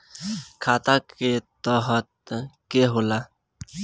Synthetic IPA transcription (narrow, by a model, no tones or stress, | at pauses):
kʰaːt̪aket̪ɔɦət̪̚keɦola